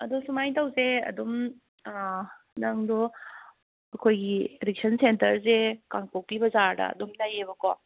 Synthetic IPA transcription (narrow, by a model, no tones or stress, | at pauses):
ɐdusumajtawseɐ̰dum | naŋdɔ | ɐkʰojɡieɾik̚sʰɐnsentɐɾsekaŋkok̚pibɐzaɾdɐ̰dumlajebɐkɔ